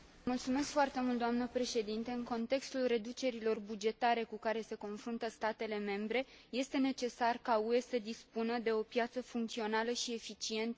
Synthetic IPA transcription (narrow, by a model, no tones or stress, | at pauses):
mult̪sume̞skfoart̪e̞mult̪d̪oamnəpɾe̞ʃe̞d̪int̪eɨŋko̞nt̪e̞kst̪ulre̞d̪ut͡ʃe̞ɾilo̞rbud͡ʒe̞t̪aɾe̞kukaɾe̞se̞ko̞nfɾunt̪əst̪at̪e̞le̞me̞mbɾe̞je̞st̪e̞ne̞t͡ʃe̞sarkaue̞səd̪ispunəd̪e̞o̞pjat̪səfuŋkt̪sio̞naləʃie̞fit͡ʃie̞nt̪ə